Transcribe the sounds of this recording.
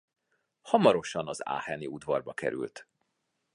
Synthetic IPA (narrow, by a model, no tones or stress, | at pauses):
hɒmɒɾo̞ʃɒnɒza̰ːhɛniud̪vɒrbɒkɛ̰ɾy̰lt̪